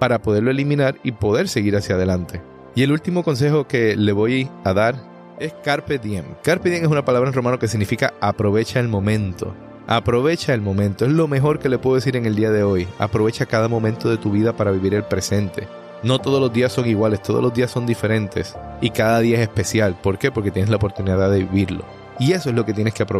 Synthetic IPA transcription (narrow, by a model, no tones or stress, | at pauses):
paɾapo̞ðe̞ɾlo̞e̞limĩnaɾipo̞ðe̞ɾse̞ɣiɾasjað̞e̞lant̪e̞ | ie̞lult̪imo̞ko̞ns̬e̞ho̞ke̞le̞βo̞jaðaɾ | e̞skaɾped̪jeŋkaɾpeðjeŋes̬unapalaβɾanro̞mãno̞ke̞s̬iɣnifikaapɾo̞βe̞t͡ʃaelmõ̞mẽ̞nt̪o̞̰ | apɾo̞βe̞t͡ʃaelmõ̞mẽnt̪o̞e̞zlo̞me̞ɦo̞ɾke̞lepweðes̬iɾe̞ŋeld̪iaðe̞o̞ja̰pɾoβe̞t͡ʃakaðamo̞mẽnt̪o̞ðe̞t̪uβiðapaɾaβiβiɾelpɾe̞se̞nt̪e̞̰ | no̞t̪o̞ð̞o̞zlo̞zðiasːo̞ŋiɣwale̞st̪o̞ðolo̞zd̪iasːo̞nd̪ife̞ɾẽ̞nt̪e̞̰sikaðaðiaesespe̞sjalpo̞ɾke̞po̞ɾke̞t̪jeneslaopoɾt̪uniðaðeβiβiɾlo̰ | ie̞so̞e̞zlo̞ke̞t̪je̞neskeapɾo